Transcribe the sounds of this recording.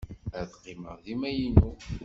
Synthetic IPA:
æðqːiməʁðimæjinu

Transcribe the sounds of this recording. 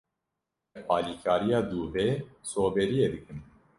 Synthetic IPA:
pɑːliːkʰaːɾijɑːd̪uːveːsoːbɛɾijed̪ɨkɨn

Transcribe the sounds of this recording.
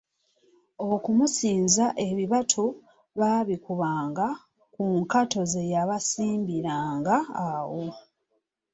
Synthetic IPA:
okumusiːnzaʔe̞βiβatʰo | βaβikuβaːŋɡa | kuŋkato̞ze̞jaβasiːmbiɾaːŋɡaawo

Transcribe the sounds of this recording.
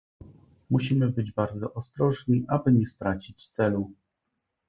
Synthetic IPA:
muɕimɘbɘd͡ʑbaɾd̪zɔʔɔst̪ɾɔʐɲiʔabɘɲɛst̪ɾat͡ɕit͡ɕt̪sɛlu

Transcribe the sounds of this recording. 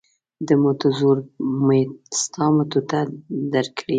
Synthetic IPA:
d̪əmot̪azuɾmest̪ɑmat̪ot̪ad̪aɾkɽi

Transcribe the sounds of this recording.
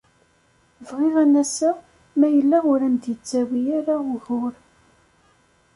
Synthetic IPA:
vʁɪʁænæsæ | mæjəlːaʁʊɾæmd̪jət͡sːæwijaɾaʊʝʊɾ

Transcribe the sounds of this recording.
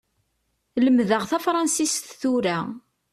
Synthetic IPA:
ləmðəʁθæfɾˤɑnsist̪θuɾa

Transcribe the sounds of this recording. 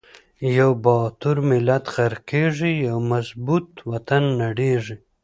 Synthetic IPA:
jawbɑːt̪uɾmɪlat̪xaɾkeʐijawmazbut̪wat̪anːaɽeʐi

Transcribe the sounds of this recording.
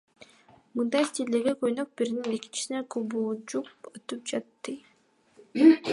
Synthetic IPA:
mɯnd̪ɑst̪ild̪eɾɡekøjnøk̚biɾininekint͡ʃi̥sinekʰobud͡ʒuqøt̪up̚d͡ʒɑt̪ːɯ

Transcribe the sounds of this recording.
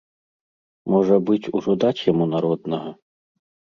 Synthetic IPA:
mɔʐɐbɨt͡sʲuʐɔd̪at͡sʲjɐmunaɾɔd̪̚nɐɦɐ

